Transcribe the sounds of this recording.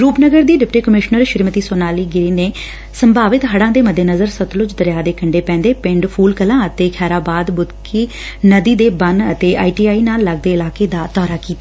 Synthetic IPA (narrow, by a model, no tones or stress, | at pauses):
ɾuːpnəɡəɾd̪iːɖɪpʈiːkəmɪʃnəɾʃɪɾmət̪iːsoːnaːliːɡɪɾiːneː | səmbaːʋɪt̪ɦəɽãːd̪eːməd̪ʱːeːnəzəɾsət̪lʊt͡ʃd̪əɾjaːd̪eːkəɳɖeːpɛ̃ːnd̪eːpɪ̃ɳɖpʰuːlkəlãːət̪eːkʰɛːɾaːbaːd̪bʊd̪kʰiː | nəd̪iːd̪eːbənət̪eːʔa̰ːiːʈiːaːiːnaːlːəɡ̚d̪eːɪlaːkeːd̪aːt̪ɔːɾaːkiːt̪aː